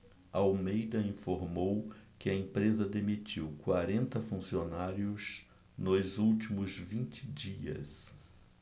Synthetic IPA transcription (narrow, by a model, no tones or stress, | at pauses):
ɐawmejd̪ɐĩfoɾmowkɪɐẽpɾezɐd̪emit͡ʃiwkwaɾẽnt̪ɐfũsionaɾjʊz | nʊzuwt͡ʃimʊzvĩnt͡ʃɪd͡ʒiɐ̰s